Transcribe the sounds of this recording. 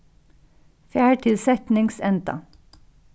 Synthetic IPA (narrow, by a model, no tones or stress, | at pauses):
fjæːʈʰɪlsɛt̪nɪŋsɛnd̪ɑ̰